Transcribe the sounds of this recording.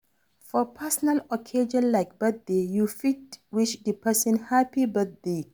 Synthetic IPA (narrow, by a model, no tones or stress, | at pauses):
fɔpʰɛsɔnalɔkʰed͡ʒɔ̃nlaɪk̚b̥əθ̚dejufit̚wiʃdəpʰɛsə̃nhapibat̚de